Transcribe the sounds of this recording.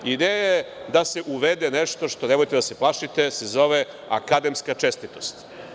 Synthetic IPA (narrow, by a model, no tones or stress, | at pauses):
id̪eːjajajed̪ase̞ʔuʋed̪eneʃt̪o̞ʃt̪o̞nemojt̪ed̪ase̞plˠaʃit̪esezo̞ʋe | a̰kad̪e̞mskat͡ʃest̪it̪ost̪